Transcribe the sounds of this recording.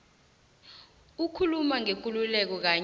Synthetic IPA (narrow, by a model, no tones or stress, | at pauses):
ukʰulumaŋek̬ʼululɛk̬ɔk̬aː